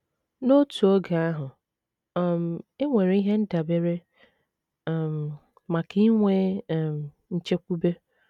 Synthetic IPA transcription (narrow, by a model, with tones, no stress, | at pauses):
no˦tu˨o˦ɡa˨a˦ɦʊ˨ | m̩˨e˦ŋʷe˨ɾe˨˦i˦ɦe˦n̩˦da˨be˦ɾe˦˨ | m̩˨ | ma˨ki˦ŋʷe˦˨m̩˨ | n̩˦t͡ʃe˦kʷu˦be˦